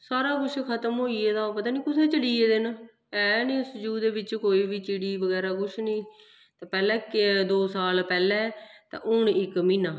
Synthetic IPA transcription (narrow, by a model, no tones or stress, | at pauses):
saːɾaːkʊʃʰkʰət̪əmɦoːiːeːd̪aːpət̪aːniːkʊseːt͡ʃəliːeːd̪ɪn | ɛːnĩːsd͡ʒuːd̪eːʋɪt͡ʃkoːiːʋiːt͡ʃiːɽiːʋəɡɛːɾaːkʊʃʰnĩː | t̪ɛːpɛːlɛ̃ːkd̪oːsaːlpɛːlɛːt̪ã̰ːʔʊɳɪkmĩːnaː